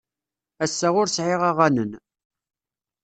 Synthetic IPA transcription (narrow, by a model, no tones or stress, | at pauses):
æsːæʁʊɾsʕɪʁaʁænən